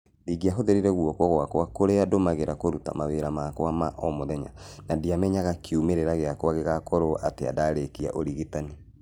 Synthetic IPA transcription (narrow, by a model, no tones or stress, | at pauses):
ɾiɣiaɦoðeɾiɾɛɣwɔkwɔɣwakwakoɾeadomaɣeɾakoɾuta̰maweɾamakwamaʔɔmoðɛɲa̰nadiamɛɲaɣakiumeɾeɾaɣeakwaɣeɣakɔɾoʔatea̰daɾekia̰ʔoɾiɣitani